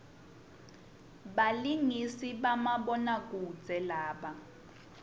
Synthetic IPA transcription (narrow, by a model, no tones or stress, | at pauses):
ɓaliŋisiɓamaɓɔnak̬ʼu̥d͡zʱɛlaːɓa